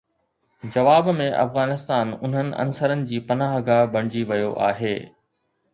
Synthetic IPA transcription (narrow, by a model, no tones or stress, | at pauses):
d͡ʑɐʋaːbmẽʔɐ̰fɣaːnɪst̪aːnʊ̰n̤ənɪ̆ʔɐ̰nsəɾənɪ̆d͡ʑiːpɐnaːɦɡabɐɽ̃ɪd͡ʑiʋɐjoʔa̰ːɦeː